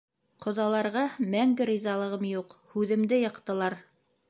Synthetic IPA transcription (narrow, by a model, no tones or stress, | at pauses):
qŏðɑlˠɑɾʁɑmæŋɡɘɾizɑlˠɤ̆ʁɤmjuqhʉðɘ̆md̪ɘjɤ̆qt̪ɤ̆lˠɑɾ